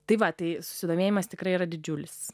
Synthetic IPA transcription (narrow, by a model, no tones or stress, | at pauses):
t̪ɐɪʋɐt̪ɐɪsʊ̥sʲɪd̪oːmʲeːjɪmɐst̪ʲɪkɾɐɪiːrɐd̪ʲɪd͡ʒʲʊːlʲɪs